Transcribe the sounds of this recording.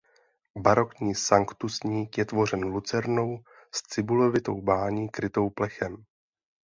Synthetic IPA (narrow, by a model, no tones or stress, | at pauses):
baɾo̞kɲiːsaŋkt̪usɲiːkjɛt̪vo̞r̝ɛnlut͡sɛɾno̞w | st͡sɪbulo̞vɪt̪o̞̰wbaːɲiːkɾɪt̪o̞wplɛxɛm